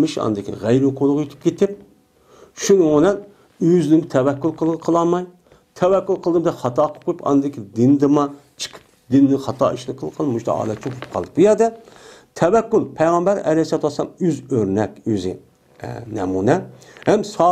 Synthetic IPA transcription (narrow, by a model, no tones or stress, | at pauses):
mɨʃɑ̰nɨd̪ɪkʲʰḭʁæjɾɪqʰolˠʁjyt̪ʰɪ̥p̚kʲet̪ɪp̚ | ʃunɨonɛn | øznɪd̪ɪt̪ʰɛwɛkʲːulˠqʰəlˠqʰəlˠɑmɑj | t̪ʰɛwɛkʲːylˠqʰəlˠd̪ɨmd̪ɛχɑt̪ʰɑːqʰə̥p̚qʰojpɑ̰nɨd̪ɪkʲʰid̪ɪnd̪ɨmɑt͡ʃʰə̥qʰə̥p̚d̪ɪnːɪχɑt̪ʰɑ̰ːiʃlˠɨqʰːəlˠqʰɑlˠd̪muʃt̪ʰɑ̰ɑ̰ːlɛt͡ʃʰpʰup̚qʰɑlˠd̪ɨbujɛɾd̪ɛt̪ʰɛwɛkʲːulˠpʰɛjʁɑmbæɾɛ̰lɛjsɑt̪ʰwɑslˠɑmyzøɾnɛkʲøzɪ̰ | nɛ̰munɛ | hɛmsɑ